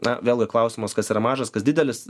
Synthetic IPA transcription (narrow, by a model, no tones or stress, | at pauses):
nɐʋʲeːlˠɡʲɪklˠɐʊsʲɪmoskɐsiːɾɐmɑːʒɐskɐsd̪ʲɪːd̪ʲɛlʲɪs